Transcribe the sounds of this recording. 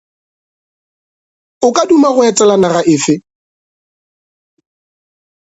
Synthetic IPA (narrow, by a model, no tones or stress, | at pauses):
ʊkʼadumaɣʊɛt͡sʼɛlanaɣaʔɪːfɪ